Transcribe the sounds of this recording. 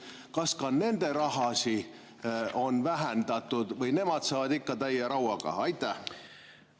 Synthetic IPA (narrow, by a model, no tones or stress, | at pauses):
kɑskɑne̞nd̪e̞ɾɑɦɑsi | o̞nvæɦend̪ɑt̪ːˑud̪̥vɤjne̞mɑd̪̥sɑːvɑd̪ikːɑt̪æjːɑɾɑwɑɡ̥ɑ̰ɑjt̪ːˑæh